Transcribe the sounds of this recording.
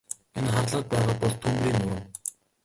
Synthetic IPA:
enχarɮə̆t̪̚pæːʁaːpɔɮt̪ʰːumriːnːuɾɘ̆ŋ

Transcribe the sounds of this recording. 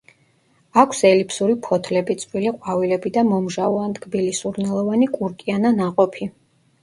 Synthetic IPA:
akʷʰsɛlipʰsuɾipʰɔt̪ʰlɛbit̪sʼwiliqʼwavilɛbid̪amɔmʒauand̪ɡbilisuɾnɛlˠɔvanikʼuɾkʼiananaqʼɔpʰi

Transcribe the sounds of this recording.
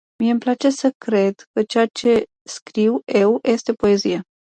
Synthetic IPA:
miemplat͡ʃe̞səkɾe̞d̪kət͡ʃeat͡ʃe̞ | skɾiwe̞wjʔe̞st̪epo̞e̞zija

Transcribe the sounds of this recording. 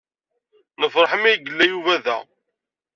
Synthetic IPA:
nəfɾˤɑħəmijɡəlːæjuvæðæ̰

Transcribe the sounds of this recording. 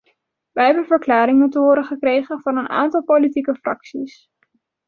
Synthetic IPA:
ʋəɦɛbənvəɹklaːɾɪŋmutəɦʊːɾəχəkrejχənvɑnəna̰ːntɑlˠpolitikəfrɑksis

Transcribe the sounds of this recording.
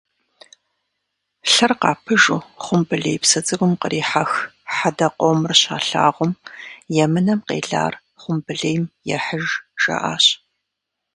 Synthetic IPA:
ɬɐrqɑːpʰɨʒuːχʷʊmbɨɮejpsɐd͡zʼɨɡʷʊmqərʔiːħaxħadɐqʷowmrɕaːɬa̰ːʁʷʊmjɛmɨnɐmqḛːɮa̰ːr | χʷʊmbɨɮejmjɛħəʒʒ̥ɐ̰ʔaːɕ

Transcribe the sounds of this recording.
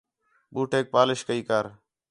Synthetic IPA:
ɓuːʈeːk̚paːlɪʃkəiːkaːɾ

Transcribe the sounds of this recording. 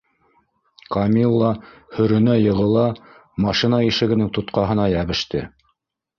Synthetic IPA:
kɑmʲilˠːɑhɵ̆ɾɵ̆næjɤ̆ʁɤ̆lˠɑ | mɑʃinɑiʃɘ̆ɡɘ̆nɘŋt̪ŏt̪qɑɦɤ̆nɑjæβɘ̆ʃt̪ɘ

